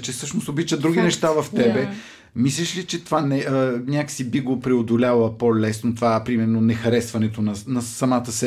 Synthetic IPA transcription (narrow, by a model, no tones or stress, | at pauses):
t͡ʃɛsɤʃnost̪obit͡ʃəd̪ɾuɡ̟ʲinɛʃt̪avɐft̪ɛbɛ | mislʲɛʃlit͡ʃɛt̪ovanɛənʲakə̥sibiɡopɾɛod̪olʲalˠəpolɛsnot̪ovapɾimɛɾnonɛxɐɾɛsvɐnɛt̪onɐnɐsɐmat̪əsɛ